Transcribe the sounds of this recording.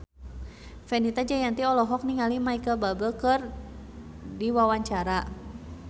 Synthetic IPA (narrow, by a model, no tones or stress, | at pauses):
fɛnit̪ad͡ʒajant̪iɔlɔɦɔk̚niŋalimaikəlbabəlkər | diwawaɲt͡ʃaɾa